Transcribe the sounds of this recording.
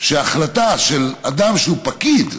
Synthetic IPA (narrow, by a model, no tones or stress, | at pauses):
ʃeaχlat̪aʃelad̪amʃeupakid̪